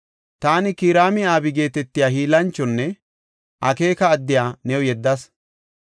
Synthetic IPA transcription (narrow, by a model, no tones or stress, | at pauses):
t̪aːnɪkiːɾaːmɪaːbɪɡe̞ːt̪ɛt̪ːɪjaːhiːlɐnt͡ʃːɔnːɛ | ʔɐke̞ːkɐːd̪ːɪjaːnɛwɔjɛd̪ːɐs